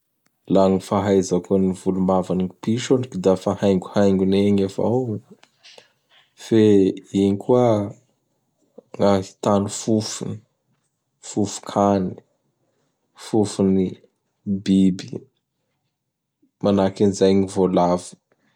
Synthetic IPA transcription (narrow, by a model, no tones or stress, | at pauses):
laŋifaɦajzakunivulumavaniŋipiʃoɳikid̪afahajŋɡuhajŋɡuneɲefa̰w | feiɲkuə | ŋai̥t̪anufufuni | fufu̥kʰani̥ | fufuni | bibi̥ | manakinizajɲivolavi̥